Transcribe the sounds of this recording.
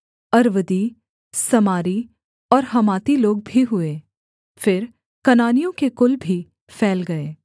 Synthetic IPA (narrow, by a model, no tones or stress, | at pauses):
ɐɾʋəd̪i | sɐmaːɾi | ɔːɾɦɐmaːt̪iloːɡ̚bʱiɦʊeː | fɪɾ | kɐnaːnijõkekʊlbʱi | fɛːlɡɐeː